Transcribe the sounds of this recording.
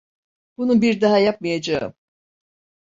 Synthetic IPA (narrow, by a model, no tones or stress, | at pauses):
b̥ununbiɾd̪aɦajap̚mɯjad͡ʒaɯ̰m